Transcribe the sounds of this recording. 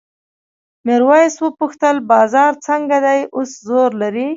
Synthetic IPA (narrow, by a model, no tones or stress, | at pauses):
mɪɾwɑjswəpuxt̪əlbɑzɑɾt͡səŋɡad̪ajoszoɾlaɾi